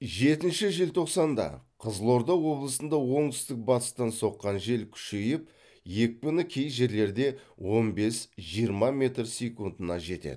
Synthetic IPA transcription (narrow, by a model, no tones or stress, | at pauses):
ʒe̞t̪ɪnʃɪʒɪlt̪ʰo̞qsɑnd̪ɑ̰qʰəzlˠo̞ɾd̪ɑwwo̞blˠəsənd̪ɑwo̞ɴt̪ʰʏ̥st̪ɪk̚bɑt̪ə̥st̪ɑnso̞qːɑnʒe̞lkʲʰʏ̥ʃe̞jɪp | je̞k̚ʲbʏnɪkʲʰe̞jʒe̞ɾle̞ɾd̪e̞wo̞nbe̞sʒijəɾmɑmʲe̞t̪rsʲe̞kund̪ənɑʒe̞t̪ḛd̪ɪ